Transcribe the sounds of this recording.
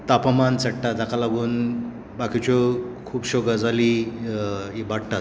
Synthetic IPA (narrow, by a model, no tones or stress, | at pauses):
t̪apəmant͡səɽʈat̪akalaɡuːn | bakit͡ɕokʰuːpɕoɡad͡zali | ibaɽʈat̪̚